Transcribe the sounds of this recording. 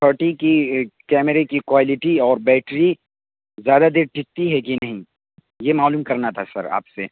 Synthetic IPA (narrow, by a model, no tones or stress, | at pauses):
t̪ʰəːɾʈikikɛːməɾekikwaːlɪʈiɔːɾbɛːʈɾi | zjaːd̪ad̪eːɾʈʰɪkt̪iɦɛkinɐɦĩ | jemaːluːmkɐɾnat̪ʰasɐ̰ɾa̰ːpse